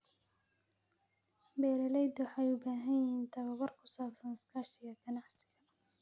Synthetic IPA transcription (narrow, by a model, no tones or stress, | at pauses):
bɛːɾɐlɛjd̪wħɑjʊbaːɦɐnjjɪiːnt̪ʰɐβɐwɐrkʰʊ̥saːbsɐnɪskʰaːʃɪɣɐɡɐnɑʕsɪɣɐ